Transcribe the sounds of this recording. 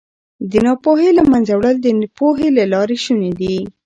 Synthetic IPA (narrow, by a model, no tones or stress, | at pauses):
d̪ənɑpoɦelamanzawɽəld̪ənpoɦelalɑɾeʃuned̪i